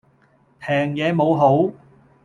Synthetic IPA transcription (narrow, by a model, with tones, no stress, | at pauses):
pʰɛː˨˩ŋjɛː˨˧mo˨˧wɦo˨˥w